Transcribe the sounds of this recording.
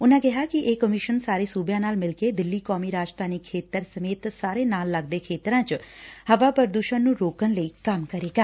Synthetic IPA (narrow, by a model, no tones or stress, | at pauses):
ʊnãːɡɪɦaːkɪʔeːkəmiʃənsaːɾeːsuːbjãːnaːlmɪlkeːd̪ɪlːiːkɔːmiːɾaːd͡ʒt̪ʰaːnɪkʰːeːt̪əɾsəmeːt̪saːɾeːnaːlːəɡd̪eːkʰeːt̪ɾãːt͡ʃhəʋaːpəɾd̪uːʃənnːũːɾoːkənləiːkəmkəɾeːɡaː